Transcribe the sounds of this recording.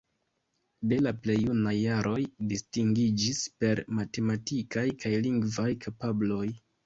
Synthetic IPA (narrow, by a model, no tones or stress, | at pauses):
de̞laple̞jːunajːaɾʔo̞jdistiŋɡid͡ʒispe̞ɾmate̞matikajkajliŋɡvajkʰapablo̞j